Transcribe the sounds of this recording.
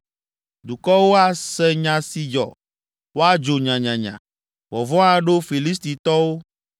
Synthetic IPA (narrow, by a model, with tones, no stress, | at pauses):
d̪u˨kɔ˦wo˦a˦sɛ˦ɲã˨si˨d͡ʒɔ̰˨ | wo˦a˦d͡ʒo˨ɲã˨ɲã˨ɲã̰˨ | vɔ˨vɔ̃˦ã˦ɖo˦fi˨li˦s̬t̪i˨t̪ɔ˦wo˦